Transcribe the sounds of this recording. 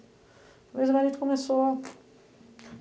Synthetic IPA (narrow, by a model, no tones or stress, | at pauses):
vezmaɾit̪komeso